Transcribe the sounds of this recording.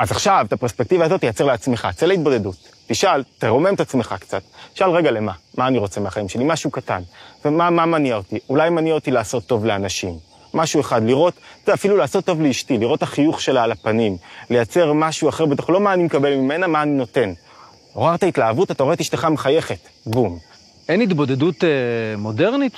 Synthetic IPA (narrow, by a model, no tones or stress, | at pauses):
ʔazaχʃavtapeʁspek̚tivazo̞t̪ːejat͡se̞ʁleat͡sme̞χa̰t͡selait̚bo̞de̞dutːiʃalteʁo̞me̞metat͡sme̞χakt͡sati̥ʃalʁe̞ɡale̞mamaːniʁo̞t͡se̞meaχaimʃe̞limaʃukata̰nvemamamaniaotiulajmaniaotilaːso̞t̪ːo̞vleanaʃimː | aʃue̞χad̪liʁo̞tzafilulaːso̞tːo̞vleiʃtiliʁo̞thaχijuχʃe̞laːlapanimle̞jat͡se̞ʁmaʃuaχe̞ʁbet̪oχlo̞maːnimekabe̞lmime̞namaːnino̞te̞n | oʁaʁt̪aitlaːvutat̪aoet̪iʃteχameχaje̞χe̞t | bum | enit̪bo̞dedutemo̞deʁnit